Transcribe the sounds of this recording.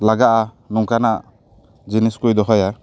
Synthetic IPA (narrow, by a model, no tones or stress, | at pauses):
laɡaʔa | nuŋkanaʔ | d͡ʒiniskujd̪ɔɦɔja